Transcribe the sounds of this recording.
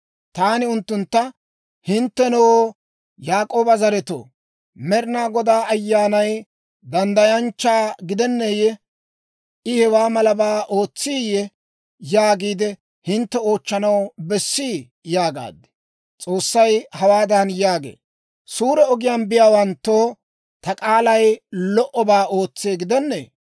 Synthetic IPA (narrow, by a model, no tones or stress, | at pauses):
t̪aːnɪʊnt̪ːʊnt̪ːɐ | hɪnt̪ːɛnɔwo | jaːkʼo̞ːbɐzɐɾɛt̪o̰ː | mɛɾnaːɡɔd̪aːɐjːaːnɐj | d̪ɐnd̪ɐjɐnt͡ʃːaːɡɪd̪ɛnːɛjɛ | ʔɪhɛwaːmɐlɐbaːʔo̞ːt͡sːiːjɛ | jaːɡiːd̪ɛ | hɪnt̪ːɛo̞ːt͡ʃːɐnɐwbɛsːiː | jaːɡa̰ːd̪ːɛ̥ | t͡sʼo̞ːsːɐjhɐwaːd̪ɐnjaːɡḛː | suːɾɛɔɡɪjaːnbɪjaːwɐnt̪ːoː | t̪ɐkʼaːlɐjlɔʔɔbaːo̞ːt͡sːeːɡɪd̪ɛnːɛ̰ː